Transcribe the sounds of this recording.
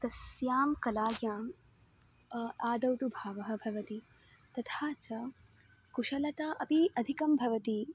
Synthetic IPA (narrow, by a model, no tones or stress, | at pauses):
t̪ɐsjaːmkɐlaːɡjaːm | aːd̪ɐwt̪ubʱaːʋɐɦɐ̆bʱɐʋɐt̪i | t̪ɐt̪ʰaːt͡ʃɐ | kuʂɐlɐt̪aʔɐpiʔɐd̪ʱikɐmbʱɐʋɐt̪i